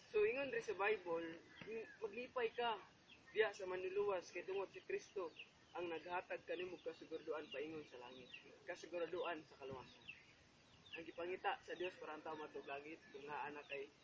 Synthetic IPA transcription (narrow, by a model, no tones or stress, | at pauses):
soɪŋonɾɪsabajbol | maɡliːpajka | d̪ɪjaʔsamanʊluwaskajt̪ʊŋod̪̚sikɾist̪o | ʔaŋnaɡ̚haːt̪aɡ̚kanimʊkasɪɡʊɾad̪ʊʔanpaʔiŋʊnsala̰ːŋɪt̪̚kasɪɡʊɾad̪ʊʔansakalʊwasan | ʔaŋɡɪpaŋit̪aʔsad̪jospaːɾaʔant̪aʊmaɡ̪t̪ʊɡlaːɡɪt̪kʊŋŋaʔanakaj